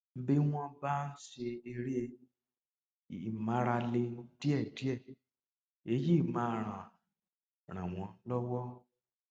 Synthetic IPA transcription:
m̩˦be˦w̃ɔ̃˦ba˦n̩˦ʃe˧e˧ɾe˦˨ | mã˨˦ɾa˧le˧˦di˦ɛ˦˨di˦ɛ˦˨ | e˨˦ji˦˨mã˨˦˨ɾ̃ã˨ | ɾ̃ã̰˨w̃ɔ̃˧˦lɔ˦wɔ˦

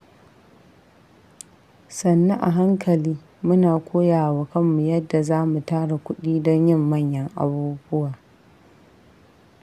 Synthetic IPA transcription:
sɐ˨nːɐ˦ʔa̰˨ɦa˦ŋkʰɐ˨liː˦ | mʊ˦naː˨kʷoː˦jaː˨wa˦kɐ˦mːu˨jɐ˦dːa˨zaː˦mu˨taː˦ɽa˨kʷʊ˦ɗiː˦dɔ˦ɲjɪ˦˨mːɐ˦˨ɲjɐ˦ŋʔa̰˨buː˦bʊ˦waː˨

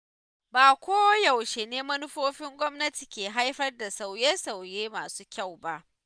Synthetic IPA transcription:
baː˨kʷoː˦wja˨wʃe˨neː˦mɐ˦nʊ˦ɸoː˦ɸɪ˦ŋɡʷɔ˦mnɐ˦ti˨kʲeː˨ɦa˦jɸɐ˦rda˨sa˨wjeː˦sa˨wjeː˦maː˨suː˦kʲa˦˨wba˦ʔ

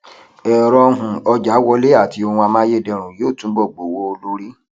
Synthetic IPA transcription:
ɛ˨ɾɔ˧ɦũ˨ɔ˧d͡ʒa˨˦wɔ˧˦le˦a˦˨ti˧o˧hũ˧a˧mã˦je˦˨dɛ˧˨ɾ̃ũ˨joː˦˨tũ˨˦ɡ͡bɔ˦˨ɡ͡bo˨˦wo˦o˧lo˦ɾi˦

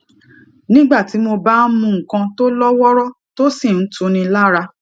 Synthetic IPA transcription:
nĩ˦ɡ͡ba˦˨ti˨˦mo˧ba˦n̩˦mũ˧ŋ̩˨kã˧to˦lɔ˦wɔ˦ɾɔ˦ | to˦si˦˨n̩˦tʰũ˨˧˦nĩ˧la˦˨ɾa˧

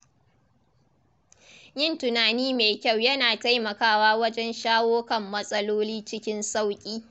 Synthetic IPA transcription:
jɪ˦˨ntʊ˨naː˨niː˦meː˨kʲa˦˨wjɐ˦naː˨ta˦jmɐ˨kaː˦waː˦wɐ˦d͡ʒɛ˦nʃaː˦woː˦kɐ˨mːɐ˦sʼɐ˦loː˦liː˦t͡ʃɪ˦kʲɪ˦nsa˦˨wkʲʼiː˦

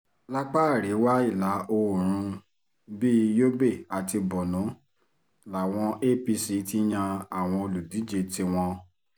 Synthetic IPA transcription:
la˦k͡pa˦˨ɾe˨˦wa˦i˦˨la˨˦o˧˨ɾ̃ũ˧ | biː˦jo˦be˦˨a˨ti˧bɔ˨nũ˨˦ | la˨w̃ɔ̃˧ʔe˦pi˧si˨˦ti˦j̃ã˧a˦˨w̃ɔ̃˧o˧lu˨di˨˦d͡ʒe˧ti˧w̃ɔ̃˧

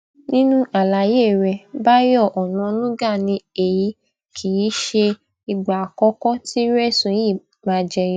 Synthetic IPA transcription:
nĩ˦nũ˦ʔa˨la˨je˦˨ɾɛ˧˨ba˦jɔ˦˨ʔɔ˨nã˨˦nũ˦ɡa˦˨nĩ˧e˨ji˨˦ | kʰi˨ji˨˦ʃe˧ | i˨ɡ͡ba˨kɔ˦kɔ˦ti˦ɾɛ˦˨sũ˨ji˦˨ | mã˨˧˦d͡ʒɛ˧˨

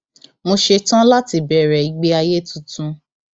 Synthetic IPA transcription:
mo˧ʃe˧tã˦la˦ti˧bɛ˨˦˨ɾɛ˨i˨˦ɡ͡be˦a˧je˦tũ˦tũ˧˦

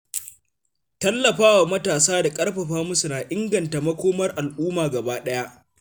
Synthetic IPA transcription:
tɐ˦lːɐ˨ɸaː˦wa˨mɐ˦taː˨saː˦da˨kʼɐ˦rɸɐ˨ɸaː˦mʊ˦su˨naː˨ʔɪ˦ŋɡɐ˨nta˨mɐ˦kʷoː˦mɐ˦rʔa˨lʔuː˦maː˨ɡɐ˨baː˦ɗɐ˦ja˦ʔ

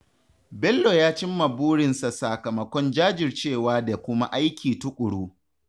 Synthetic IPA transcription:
bɛ˦lːo˨jaː˦t͡ʃɪ˦mːɐ˨buː˦ɽɪ˨nsa˨sa˨kɐ˨mɐ˨kʷɔ˦nd͡ʒaː˦d͡ʒɪ˨rt͡ʃeː˦˨waː˦da˨kʷʊ˦ma˦ʔa˦jkʲʰiː˨tʊ˦kʷʼʊ˨ɽuː˦

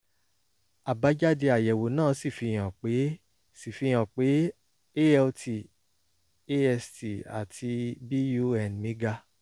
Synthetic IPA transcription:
a˨ba˨˧˦d͡ʒa˦di˧a˨jɛ˨wo˨nãː˦˨˦si˦˨fi˧j̃ã˨k͡pe˨˦ | si˨fi˧j̃ã˨k͡pe˨˦ | e˦ɛ˧ltʰi˨ | e˦ɛ˧sti˨a̰˨tʰi˧bi˦ju˦ɛ˨n˨mĩ˨˦ɡa˧

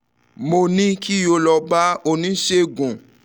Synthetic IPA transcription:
mo˧nĩ˦ki˦jo˧lɔ˧ba˦o˧nĩ˦ʃe˦ɡũ˨

